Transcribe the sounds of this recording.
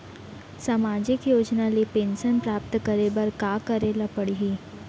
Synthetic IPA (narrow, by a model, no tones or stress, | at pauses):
saːmaːd͡ʒɪkjoːd͡ʒnalepeːnsənpɾaːp̚t̪kəɾebɐɾkaːkɐɾeːlapɐɽiɦiː